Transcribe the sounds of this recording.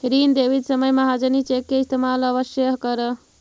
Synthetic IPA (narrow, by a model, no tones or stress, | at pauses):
ɾind̪eʋid̪səməjməɦad͡ʒənit͡ʃekːeist̪ʰemaləʋəsjəɦkəɾə